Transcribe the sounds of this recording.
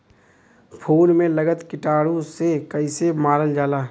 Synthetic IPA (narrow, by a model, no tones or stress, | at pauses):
pʰoːnmẽləɡət̪kɪʈaːɽõsekəɪsemaːɾəld͡ʒaːlaː